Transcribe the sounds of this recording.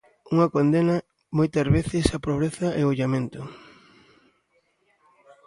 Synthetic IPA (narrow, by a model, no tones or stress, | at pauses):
uŋɐkond̪enɐ | mojt̪ɐzβeθɪsɐpɾoβ̞ɾeθɐʔeoʎamẽnt̪ʊ